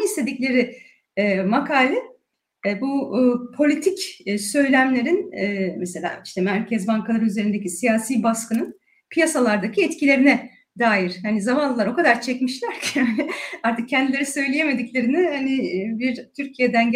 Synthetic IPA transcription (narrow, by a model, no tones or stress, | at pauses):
islʲe̞d̪iclʲe̞ɾɪ | ɛmakʰaːlʲɛ | bupʰo̞lʲit̪ʰicːsø̞jlʲæmlʲe̞ɾinɛmɛse̞lʲa̰ːiʃt̪ʰɛmæɾcʰɛzbaŋkʰalˠaɾɯyze̞ɾind̪ecisijaːsiːbaskɯnɯn | pʰijasalˠaɾd̪acʰiɛt̪cʰilʲe̞ɾinɛ | d̪aːjiɾ̥hanizamanlˠɯlˠaɾo̞kad̪aɾt͡ʃʰɛcmiʃlʲæɾcʰanɪaɾt̪ʰɯk̚cʰɛnd̪ilʲeɾisø̞jlʲeje̞me̞d̪iclʲe̞ɾinɪhanɪbiɾt̪ʰyɾcʰijed̪ænɟ